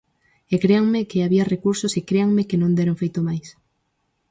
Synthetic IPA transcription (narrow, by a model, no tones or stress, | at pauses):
ekɾeaŋmekeaβiarekuɾsosekɾeaŋmekenõnd̪eɾoŋfejt̪omajs